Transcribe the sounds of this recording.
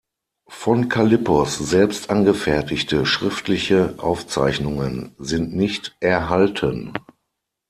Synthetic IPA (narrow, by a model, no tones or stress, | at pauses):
fɔnkʰalɪpɔszɛlpstʔanɡəfɛɐtɪçtəʃʁ̥ɪftlɪçəʔa̰ʊft͡sa̰ɪçnʊŋənzɪntnɪçtʔɛɐɦaltʰən